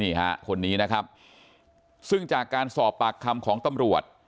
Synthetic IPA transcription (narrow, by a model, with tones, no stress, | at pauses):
iː˥˩ɦa̰˦˥kʰo˧nːiː˦˥na˦˥kʰa˦˥p̚ | sɯ˥˩ŋt͡ɕaː˨˩kːaː˧nsɔː˨˩pːa˨˩kʰːa˧mkʰɔː˩˦ŋt̪a˧mɾu˨˩ət̪̚